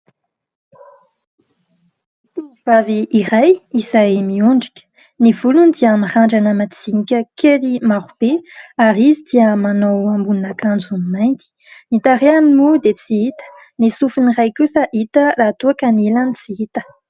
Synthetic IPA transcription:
miv̥aviʔːrajizajmiuɳɖ͡ʐikʲə̥ | niv̥ulunid̪iəmiχaɳɖ͡ʐanəmat͡siɲikʲəkʰelimaʁub̥eaɾizid̪iəmanowambuninakand͡zunmajnt̪i̥ | nit̪aɾeanimud̪et͡siit̪ə̥ | nisufinirajkusəʔit̪ərat̪uakanelanit͡siit̪ə̥

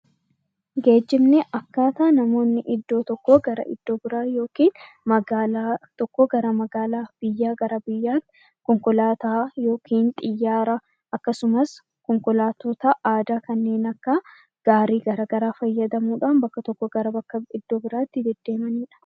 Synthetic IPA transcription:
ɡe̞ːd͡ʒːɪmnɛʔɐkːaːt̪aːnɐmo̞ːnːɪʔɪd̪ːo̞ːt̪ɔkːoːɡɐɾɐ̰ʔɪ̰d̪̥ːo̞ːbɪɾaːjo̞ːkiːn | mɐɡaːlaːt̪ɔkːɔɡɐɾɐmɐɡaːlaːb̥ɪjːaːɡɐɾɐbɪjːaːt̪ | kɔŋkɔlaːt̪aːjo̞ːkʰiːnt̪ʼɪjːaːɾɐ | ʔɐkːɐsʊmɐs | kɔŋkɔlaːt̪oːt̪ɐʔaːd̪aːkɐnːe̞ːnɐkːɐ | ɡ̥aːɾiːɡɐɾaːɡɐɾaːfɐjːɐd̪ɐmuːᶑaːnbɐkːɐt̪ɔkːɔɡɐɾɐbɐkːɐɪd̪ːoːbɪɾaːt̪ːɪd̪ɛd̪ːe̞ːmɐniːᶑɐ̥

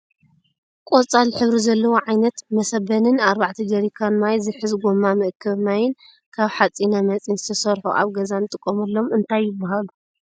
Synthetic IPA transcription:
kʼot͡sʼalħɨβɾizɐlːɐwoʕajnɐt̪mɐsɐbɐnɨnaɾbaʕt̪ʰid̪ɐɾikʰanmajzɨħɨzɡomːamɨʔɨkʰːɐβnajɪn | kʰaβħat͡sʼinamɐt͡sʼinzɨt̪ʰɐsɐɾħṵʔa̰βɡɐzant̪ʼɨkʼːomɐlːo̞mɨnt̪ʰajːɪbːaɦalu

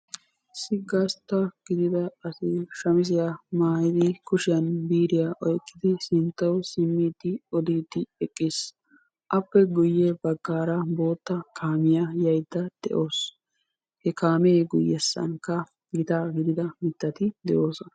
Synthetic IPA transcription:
sɪɡɐst̪ːɐɡ̥ɪd̪ɪd̪ɐɐsɪʃɐmɪs̬ɪjamaːhɪd̪ɪkʊʃɪjɐnbiːɾɪjaʔɔjkʼːɪd̪ɪsɪnt̪ːɐwsɪmːiːt̪ːɪɔd̪iːt̪ːɪɛkʼːɪs | ʔɐpːɛɡʊjːɛbɐɡːaːɾɐbo̞ːt̪ːɐkʰaːmɪjɐjɐjd̪ːɐd̪̥ɛ̰ʔo̞ːs | hɛkaːmeːɡʊjːɛsːɐ̰nkɐ | ɡɪt̪aːɡɪd̪ɪd̪ɐmɪt̪ːɐt̪ɪd̪ɛʔo̞ːsɔnɐ

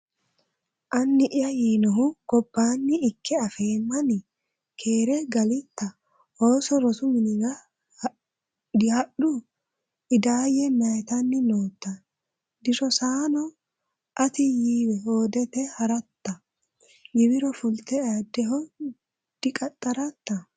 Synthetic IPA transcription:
ʔɐnːɪʔɪjɐjiːnɔɦʊɡ̥ɔbːaːnːɪːkʰːɛɐfe̞ːmːɐnɪ | kʰe̞ːɾɛɡɐlɪt̪ːɐ | hoːsɔɾɔt̪ʊmɪnɪɡɐ | dhɐɗʊ | ɪd̪aːjɛmɐjt̪ɐnːɪnoːt̪ːɐ | d̪ɪʃɔsaːnɔ | ʔɐt̪ɪjiːwɛhoːd̪ɛt̪ɛhɐɾɐt̪ːɐ | ɡɪbɪɾɔfʊlt̪ɛaːd̪ːɛɦɔ | d̪̥ɪkʼɐt̪ʼːɐɾɐt̪ːɐ

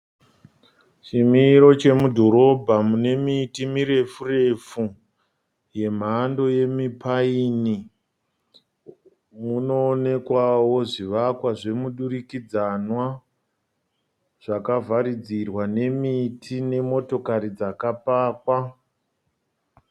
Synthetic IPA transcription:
t͡ʃimiɾo̞t͡ʃe̞mudʱo̞ɾo̞bʱamune̞mitimiɾe̞fure̞fu | je̞m̤ando̞je̞mipʰaini | muno̞ːne̞kwawo̞ʐiʋakwaʐe̞muɗurikid͡zanwa | ʐ̥akavʱaɾid͡zirwane̞mitʰine̞mo̞to̞kaɾid͡zakapaːkwa

